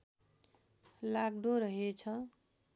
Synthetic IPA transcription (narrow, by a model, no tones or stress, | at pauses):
laɡɖoɾʌɦet͡sʰʌ